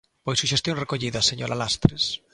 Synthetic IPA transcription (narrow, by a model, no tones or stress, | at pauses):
pojsuʃest̪jõŋrekoʎiðaseɲoɾalast̪ɾes